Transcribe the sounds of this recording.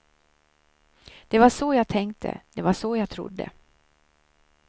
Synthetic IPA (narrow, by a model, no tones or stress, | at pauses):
d̪̥ɛvaʂɔjaːɡt̪ʰɛŋkt̪ʰə̰d̪ɛvaʂɔjaːɡt̪ʰɾʊ̰d̪ːə̰